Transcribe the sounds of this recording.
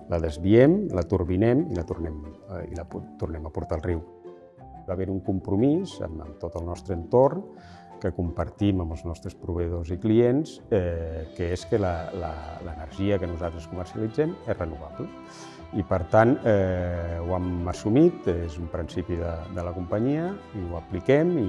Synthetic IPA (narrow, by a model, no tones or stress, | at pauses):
ləðəzβiɛmlət̪uɾβinɛmilət̪urnɛmḭləpt̪urnɛməpuɾt̪alˠriw | βaβeɾuŋkumpɾumizə̰mə̰mt̪ot̪əlˠnɔst̪ɾəːnt̪orn | kəkumpəɾt̪iməmbəlˠznɔst̪ɾəspɾuβəðozikliens | ɛkəeskələlə̰lənəɾʒiəkənuzalt̪ɾəskumərsiəlid͡zɛmesrənuβaplə | ipəɾt̪anɛwaməsumit̪ezumpɾinsipiðəd̪ələkumpəɲiəiwəplikɛmi